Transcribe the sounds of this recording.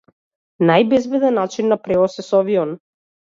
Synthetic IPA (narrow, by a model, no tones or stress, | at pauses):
najbɛzbɛd̪ɛnːat͡ʃinːapɾɛɔsɛsɔviɔn